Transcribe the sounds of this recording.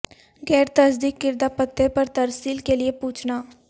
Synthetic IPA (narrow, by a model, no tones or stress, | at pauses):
ɡɛːɾt̪ɐsd̪ikːɪɾd̪apət̪ːepɐɾt̪ɐɾsiːlkeliepuːt͡ʃʰnaː